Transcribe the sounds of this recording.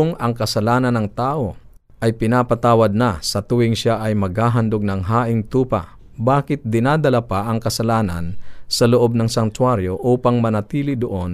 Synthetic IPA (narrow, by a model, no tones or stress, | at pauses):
ŋɐŋkɐsɐlaːnɐnɐŋt̪aːʔo̞ | ʔɐjpɪnaːpɐt̪aːwɐd̪̚nɐsɐt̪ʊwɪŋʃaʔɐjmɐɡ̚haːɦɐnd̪oɡ̚nɐŋɦaːʔɪŋt̪uːpɐ̰ | baːkɪt̪̚d̪ɪnaːd̪ɐlapaʔɐŋkɐsɐlaːnɐ̰nsɐloʔo̞b̚nɐŋsɐnt̪waɾjo̞ʔuːpɐŋmɐnɐt̪iːlɪd̪oʔo̞n